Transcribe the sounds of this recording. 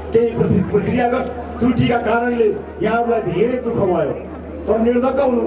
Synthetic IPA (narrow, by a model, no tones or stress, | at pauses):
keiprʌsiprʌkrijaɡʌt̪̚ | d̪uʈʰikakaɾʌnle | jaɦãɾulajd̪ʱeɾejd̪ukʰʌbʱʌjo | t̪ʌniɽd̪ʌkːaɦunu